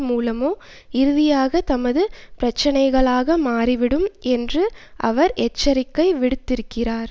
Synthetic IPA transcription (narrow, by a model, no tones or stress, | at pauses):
muːlɐmoː | ɪɾɯðɪjaːɣɐt̪ɐmɐðɯpɪɾɐt͡ʃːɐnɐɪɣɐɭaːɣɐmaːriʋɪɽɯmɛndrɯʔɐʋɐɾʔɛt͡ʃːɐɾɪkːɐɪʋɪɽɯt̪ːɪɾɯkːɪraːɾ